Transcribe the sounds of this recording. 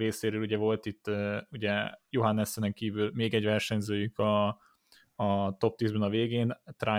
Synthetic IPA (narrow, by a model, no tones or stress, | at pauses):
eːseːɾøːluɟɛvo̞lt̪it̪ːøːuɟɛjoɦanːɛsːɛnɛŋkiːvylmeːɡɛɟʋɛrʃɛɲzøːjykʰɒ | ɒt̪o̞p̚t̪iːzbɛnɒveːɡeːnt̪ra